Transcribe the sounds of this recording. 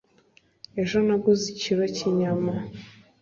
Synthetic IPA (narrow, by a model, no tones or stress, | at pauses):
eʒanaɡuziciɾociɲama